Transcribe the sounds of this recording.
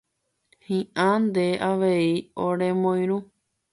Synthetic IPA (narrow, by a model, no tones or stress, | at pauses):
hĩʔãnd̪eʔaʋe̞iõɾẽmõj̃ɾu